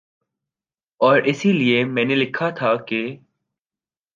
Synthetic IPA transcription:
ɔːɾɪsiliemɛ̃ːnelɪkʰat̪ʰake

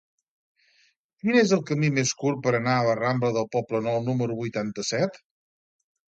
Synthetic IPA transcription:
kinezəlˠkəmimeskur̚pəɾənaələrambləðəlˠpɔplənɔwnuməɾuβujt̪ant̪əsɛt̪

